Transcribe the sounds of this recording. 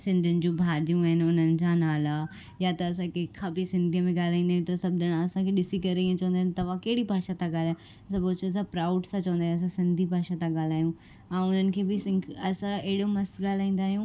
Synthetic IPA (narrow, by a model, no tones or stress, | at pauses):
sɪ̃nd̪ʱɪnɪ̆d͡ʑũbʱaːd͡ʑijũaɦɪnɪ̆ʊnənɪ̆d͡ʑãnaːla | jat̪ɐːsãkʰexʰabisɪ̃nd̪ʱiəmẽɠaːl̤aːĩnd̪aːɦjũt̪ɐsɐb̚d̪ʱəɽ̃aɐsãkʰeɗɪsikɐɾeiə̃t͡ɕɐʋə̃nd̪aːɪnt̪ɐʋãkɐɦɪɽibʱaːʃat̪ʰãɠaːlaːj̃ | ɐsãpoːt͡ɕənsãpɾaːʊɖsãt͡ɕɐʋə̃nd̪aːj̃s̬ãsɪ̃nd̪ʱibʱaːʃat̪ʰãɠaːl̤aːɦijũ | ɛ̃ːʊn̤ənɪ̆kʰeːbɪsɪ̃ɐsãeɦɪɽomɐst̪ɠaːl̤aːĩːn̆d̪aːɦijũ